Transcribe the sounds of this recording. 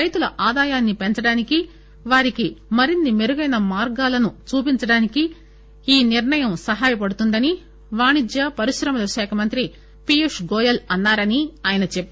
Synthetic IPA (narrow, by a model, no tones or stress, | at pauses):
ɾɐjt̪ulɐʔaːd̪aːjaːnːipent͡ʃɐɽaːniki | ʋaːɾikimɐɾinːimeɾuɡɐjnɐmaːɾɡaːlɐnut͡ʃuːpiɲt͡ʃɐɽaːniki | iːniɾɳɐjɐmsɐɦaːjɐpɐɽut̪und̪ɐni | ʋaːɳid̪jɐpɐɾiʃɾɐmɐlɐɐʃɛːkʰɐmɐnt̪ɾi | pijeʂɡɔːjɐlɐnːaːɾɐniaːjɐnɐt͡ʃepː